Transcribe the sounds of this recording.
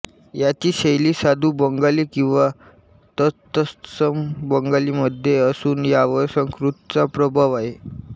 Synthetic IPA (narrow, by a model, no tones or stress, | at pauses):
jat͡ɕiːɕejliːsad̪ʱuːbəŋɡaliːkĩw̃ʋa | t̪ət̪əst̪səmbəŋɡaliːməd̪ʱjeəsuːnjaʋəɾsəŋkɾut̪̚t͡sapɾəbʱaʋaɦe